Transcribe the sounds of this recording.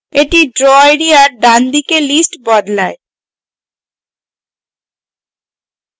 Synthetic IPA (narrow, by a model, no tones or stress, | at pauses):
eʈiɖɾoajɽiaɾɖand̪ikelisʈbɔd̪lae